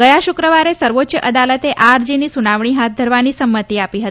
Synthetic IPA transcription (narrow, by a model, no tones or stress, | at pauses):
ɡəjaɕukɾəʋaɾesəɾʋot̪ɕəʔəd̪alət̪eʔaɾd͡ʑiniːsunaʋɳ̃iːɦat̪̚d̪ʱəɾʋaniːsəmːət̪iːapiɦət̪i̥